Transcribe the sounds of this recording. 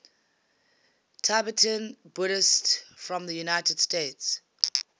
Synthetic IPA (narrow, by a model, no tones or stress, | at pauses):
tʰabətʰə̃nbʊɾɪstfɹɔ̃mðəjunaɪtəd̥steːts